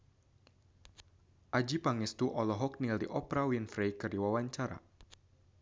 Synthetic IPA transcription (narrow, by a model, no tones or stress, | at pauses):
ʔad͡ʒipaŋɪst̪uʔɔlɔɦɔk̚nildiʔɔpɾawinfɾejkɨrdiwawaɲt͡ʃaɾa̰